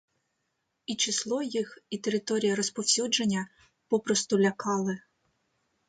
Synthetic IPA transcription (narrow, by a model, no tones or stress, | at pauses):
it͡ʃɪslˠɔjixit̪eɾɪt̪ɔɾʲijɐɾɔspɔwsʲud͡ʒenʲːɐ | pɔpɾɔst̪ʊlʲɐkɑlˠɪ